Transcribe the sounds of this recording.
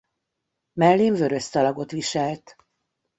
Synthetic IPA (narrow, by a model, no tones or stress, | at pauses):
mɛlːiɱvø̞ɾøst̪ɒlɒɡo̞t̪ʋiʃɛlt̪